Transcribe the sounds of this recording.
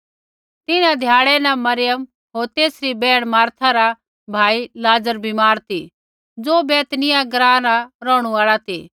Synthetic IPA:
t̪ɪnãd̪ʱjaːɽɛnɐmɐɾɪjəm | ɦoːɾt̪eːsɾibɛːɽ̃maːɾt̪ʰaɾa | bʱaːilaːd͡zəɾbʱimaːɾt̪ʰi | d͡zoːbeːt̪nɪjaɡɾãːnaɾɔːɽ̃uaːɭat̪ʰiː

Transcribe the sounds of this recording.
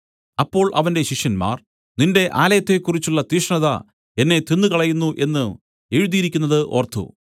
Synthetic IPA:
ɐpːo̞ːɭʔɐʋɐnde̞ɕiʂjɐnma̰ːr | ninde̞ʔaːlɐjɐt̪ːe̞kːurit͡ɕːuɭːɐt̪iːʂɳɐðɐ̰ | e̞nːe̞t̪inːɨkɐɭɐjunːuʔe̞nːɨ | e̞ɻuðijiɾikʲːunːɐðɨʔo̞ːrt̪ʰːṵ

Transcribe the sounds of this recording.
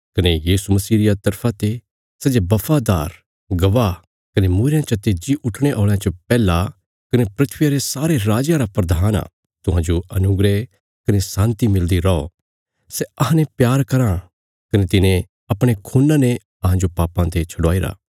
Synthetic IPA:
kɐnejiːsumɐsiːɾijat̪ɐɾpʰãt̪e | sɛːd͡ʒebɐfʰad̪aːɾ | ɡɐʋa | kɐnemuːɾɪjãt͡ʃɐt̪eːd͡ʒiʔʊʈʰɽ̃eʔoːɭjãt͡ʃɐpɛːla | kɐnepɾɪt̪ʰʋɪjaɾesaːɾeɾaːd͡ʒjãɾapɾɐd̪ʱaːna̰ː | t̪ʊɦãːd͡ʒoʔɐnʊɡɾe | kɐnesãːnt̪imɪld̪iɾɐo̰ | sɛɐɦãnepjaːɾkɐɾã | kɐnet̪ɪnẽ | ɐpɽ̃ekʰuːnːãne | ɐɦãd͡ʒopaːpãt̪et͡ʃʰɐɽaːiɾa̰ː

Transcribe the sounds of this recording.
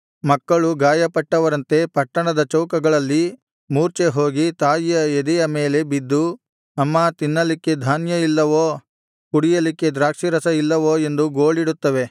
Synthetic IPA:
mɐkːɐɭuɡaːjɐpɐʈːɐʋɐɾɐnt̪e̞pɐʈːɐɳɐd̪ɐt͡ʃɐwkɐɡɐɭɐlːi | muːɾt͡ʃeɦo̞ːɡit̪aːjijɐɛd̪ɛjɐme̞ːle̞bid̪ːu | ɐmːɐt̪inːɐlikːe̞d̪ʱaːnjɐilːɐʋoː | kuɽijɐlikːe̞d̪ɾaːkʂiɾɐsɐilːɐʋoːe̞nd̪uɡo̞ːɭiɽut̪ːɐʋe̞

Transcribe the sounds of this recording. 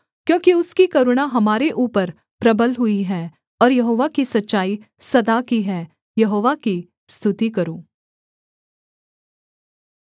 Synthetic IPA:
kjõːkiʊskikɐɾʊɽ̃aɦɐmaːɾeʔuːpəɾ | pɾɐbəlɦʊiɦɛː | ɔːɾjɐɦoːʋakisɐtːʃaːi | sɐd̪akiɦɛː | jɐɦoːʋaki | st̪ʰʊt̪ikɐɾoː

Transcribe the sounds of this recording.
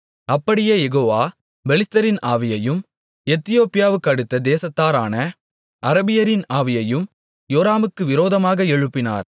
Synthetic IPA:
ɐpːɐɽɪjeːjɛɣoːʋaː | bɛlɪst̪ɐɾɪnaːʋɪjɐjɯm | ɛt̪ːɪjoːpːɪjaːʋɯkːɐɽɯt̪ːɐd̪eːsɐt̪ːaːɾaːnɐ | ʔɐɾɐbɪjɐɾɪnaːʋɪjɐjɯm | joːɾaːmɯkːɯʋɪɾoːðɐmaːɣɐɛɻɯpːɪna̰ːɾ

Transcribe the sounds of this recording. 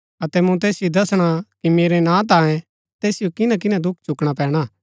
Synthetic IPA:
ɐt̪ɛmũt̪̬eːsɪjod̪ɐsɽ̃akimeːɾɛnãːt̪̬aːɛ̃ | t̪eːsɪjokɪnãk̬ɪnãd̪ʊkʰt͡ʃʊkɽ̃apɛ̃ːɽ̃aː

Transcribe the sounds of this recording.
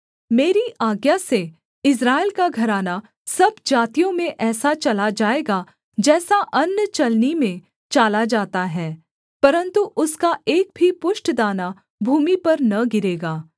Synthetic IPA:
meːɾiʔaːɡjase | ɪs̬ɾaːelkaɡʱɐɾaːna | sɐbd͡ʒaːt̪ijõmẽʔɛːsat͡ʃɐlad͡ʒaːeːɡa | d͡ʒɛːsaʔɐnːt͡ʃɐlnimẽ | t͡ʃaːlad͡ʒaːt̪aɦɛː | pɐɾə̃nt̪uʔʊskaʔeːk̚bʱipʊʃʈd̪aːna | bʱuːmipɐɾnɐɡɪɾeːɡaː

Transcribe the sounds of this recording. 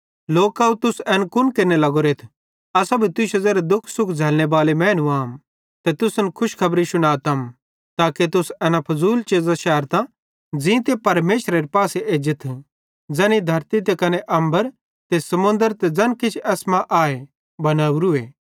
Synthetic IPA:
loːkːɐut̪ʊsɛːnkʊnkɪnːelɐɡoɾet̪ʰ | ɐsabʱit̪ʊʃɐzeːɾed̪ʊkʰːsʊkʰd͡zʱɛːlñebaːlemɛ̃ːnuaːm | t̪et̪ʊsənkʰʊʃkʰɐbɾisʊɽ̃aːt̪ɐm | t̪aːket̪ʊsɛːnapʰɐzuːlt͡ʃeːzaʃɛːəɾt̪ã | d͡zĩt̪̬epɐɾmeːʃɾeɾipaːseʔeːd͡ʒɪt̪ʰ | d͡zɛñid̪ʱɐɾt̪it̪̬ekɐneʔɐ̃mbəɾ | t̪esɐmʊ̃nd̪əɾt̪ed͡zɐnkɪt͡ʃʰɛːsmãʔaːe | bɐnaːuɾʊeː

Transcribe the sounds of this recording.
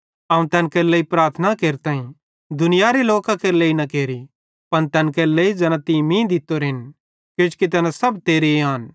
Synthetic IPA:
ɐ̃ːũt̪ɛːnkeːɾleːipɾaːɾt̪ʰənakeːɾt̪ãːĩ | d̪ʊnɪjaɾeloːkãkeːɾleːinɐkeːɾi | pɐnt̪ɛːnkɛɾleid͡ʒɐnãt̪imĩːd̪ɪt̪ːoɾɪn | kjʊ̃d͡ʒkit̪̬ɛːnasɐbt̪eːɾeaːn

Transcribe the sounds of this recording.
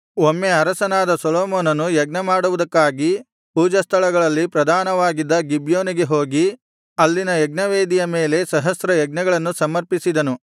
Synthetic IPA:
omːeɐɾɐsɐnaːd̪ɐsolɔːmɔːnɐnujɐɡnɐmaːɽuʋud̪ɐkːaːɡi | puːd͡ʒɐst̪ʰɐɭɐɡɐɭɐlːipɾɐd̪ʱaːnɐʋaːɡid̪ːɐɡibjoːniɡe̞ɦo̞ːɡi | ɐlːinɐjɐɡnɐʋeːd̪ijɐme̞ːle̞sɐɦɐsɾɐjɛɡnɐɡɐɭɐnːusɐmɐɾpisid̪ɐnu

